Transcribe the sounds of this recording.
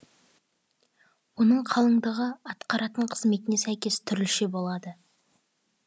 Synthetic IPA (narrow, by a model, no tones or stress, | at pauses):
wo̞nəɴqʰɑlˠəɴd̪əʁəɑt̪qɑɾɑt̪əɴqʰəzme̞t̪ɪnesæjkʲe̞st̪ʰʏɾɪlʃebo̞lˠɑd̪ə